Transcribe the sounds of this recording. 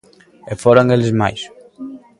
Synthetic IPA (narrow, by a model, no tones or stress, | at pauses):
ɛfoɾɐŋelɪzma̰js